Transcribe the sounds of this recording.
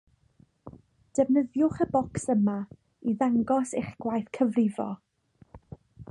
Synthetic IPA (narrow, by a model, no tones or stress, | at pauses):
d̥ɛvnəðjʊχəbɔksəma | iðaŋɡɔseχɡ̥wajθkʰəvrɪvɔ̰